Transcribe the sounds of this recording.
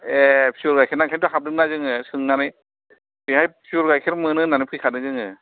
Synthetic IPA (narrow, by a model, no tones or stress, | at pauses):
epʰiɔɾɡajkʰeɾnakʰantuɦʰap̚dɯk̚nazɯŋɯsɯŋnanɯj | pihajpʰiuɾɡajkʰeɾmɯnɯnanɯpʰɯjkʰanɯzɯŋɯ